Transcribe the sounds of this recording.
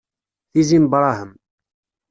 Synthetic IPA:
θizimbɾˤɑhəm

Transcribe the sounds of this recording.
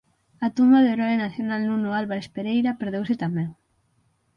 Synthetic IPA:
at̪umbaðeɾɔenaθjonalnunoalβaɾespeɾejɾapeɾðewsɪt̪amɛŋ

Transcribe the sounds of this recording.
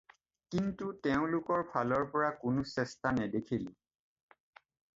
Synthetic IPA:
kintutɛʊ̃lʊkɔɹpʰalɔɹpɔɹakʊnʊsɛstanɛdekʰili

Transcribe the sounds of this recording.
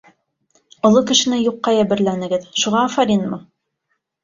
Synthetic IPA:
ŏlˠokɘ̆ʃɘ̆nɘjuqːɑjæbɘ̆ɾlænɘ̆ɡɘðʃuʁɑːfɑɾinmɤ

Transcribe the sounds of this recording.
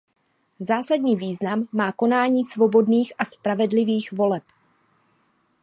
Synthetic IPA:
zaːsadɲiːviːznamːaːko̞naːɲiːsvo̞bo̞dniːxʔaspɾavɛdlɪviːxvo̞lɛp

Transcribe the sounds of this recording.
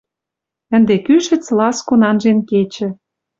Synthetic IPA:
ə̆nd̪ekyʃɘ̆t͡slɑskonɑnʒenket͡ɕɘ̆

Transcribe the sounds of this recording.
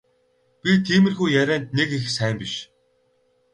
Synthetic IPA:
pʲit̪ʰiːmɘ̆rxujjæɾʲæːnt̪nekixsæːmpiʃ

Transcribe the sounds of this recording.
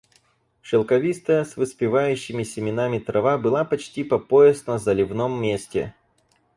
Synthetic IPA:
ʂɨlˠkɐvʲist̪əjəsvɨspʲɪvajʉɕːɪmʲɪsʲɪmʲɪnamʲɪt̪ɾɐvabɨlˠapɐt͡ɕtʲipɐpo̞ɪsnəzɐlʲɪvnomːʲesʲtʲɪ̰

